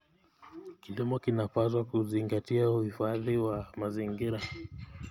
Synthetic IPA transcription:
kilimɔkinapazwakuziŋɡatiauhifaðiwamaziŋɡiɾa

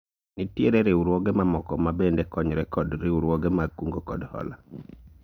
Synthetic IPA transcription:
nitjeɾɛɾeuɾwɔɡɛmamɔkɔmabendɛkɔɲɾɛkɔdɾeuɾwɔɡɛmakuŋɡokɔ̰dhɔ̰la

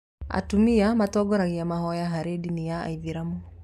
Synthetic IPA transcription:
a̰tumiamatɔɡɔɾaɣiamahɔjaɦaɾedinijaa̰iðiɾamɔ

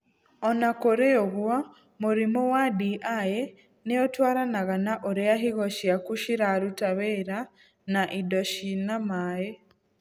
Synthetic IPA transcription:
ɔnakoɾeoɣwa | muɾimowadiʔae | neotwaːɾanaɣanaʔoɾeaɦiɣoʃiakuʃiɾaɾutaβeɾa | naʔidoʃinamaːje

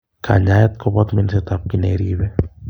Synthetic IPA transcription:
kʰa̰ɲajɛt̪kɔbɔt̪mɛnsɛt̪ap̚kineɾibɛ

